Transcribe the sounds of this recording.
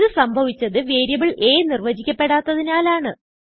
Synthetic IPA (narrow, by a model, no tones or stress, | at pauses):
ðɨsɐmbʱɐʋit͡ɕʲːɐðɨʋeːɾjɐbiɭʔeːnirʋɐd͡ʑikʲːɐpːe̞ɽaːt̪ːɐðinaːlaːɳɨ